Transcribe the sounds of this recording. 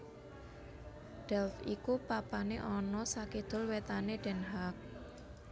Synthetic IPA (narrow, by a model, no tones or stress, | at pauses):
ɖ̥ɛlfikupapaneʔɔnɔsaked̪̥ʊ̤lwet̪aneɖ̥ɛ̤nɦak̚